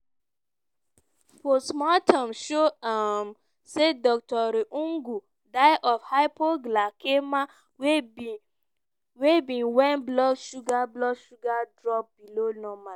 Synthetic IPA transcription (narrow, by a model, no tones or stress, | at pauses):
fɔsmɔtʰamʃoam | sedɔk̚tɔɾiʔũŋɡu | daɪʔɔfhaɪpʰoɡlakema | w | webĩnwɛ̃nblɔʃuɡablɔʃuɡadɹɔp̚bilonɔmal